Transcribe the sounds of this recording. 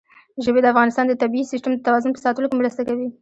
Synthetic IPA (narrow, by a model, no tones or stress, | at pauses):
ʒəbed̪əafɣɑnɪst̪ɑnd̪ət̪abiisisʈəmd̪ət̪awɑzʊnpə̥sɑt̪əlokemɾəst̪akawi